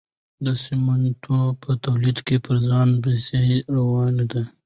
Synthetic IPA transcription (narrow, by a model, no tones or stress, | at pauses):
d̪ɑsemant̪ʰupət̪awlid̪kepəɾzɑnbeseɾawɑned̪a